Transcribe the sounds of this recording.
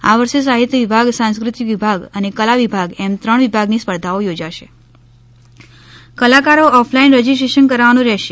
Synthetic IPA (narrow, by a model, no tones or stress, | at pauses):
a̰ʋəɾʃes̬aɦit̪jəʋibʱaɡsãnskɾut̪iʋibʱaɡənekəlaʋibʱaɡɛmt̪ɾəɳ̃ʋibʱaɡnispəɾd̪ʱaojod͡ʒaʃe | kəlakaɾoɔfʰlainɾɛd͡ʒisʈɾeʃənkəɾaʋanũɾɛʃe